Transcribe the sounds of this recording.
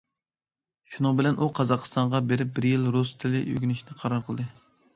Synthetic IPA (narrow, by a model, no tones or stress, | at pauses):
ʃunɨŋbɪlɛnʔuqʰɑzɑqst̪ɑɴʁɑbeɾɪp̚bɪɾjilɾost̪ʰɪlɪ̰ʔø̰ɡʲynɪʃnɪqʰɑɾɑɾqʰəlˠd̪ɨ